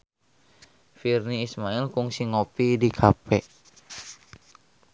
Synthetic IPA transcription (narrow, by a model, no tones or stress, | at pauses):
firniːsmailkuŋsiŋopidikʰapɛ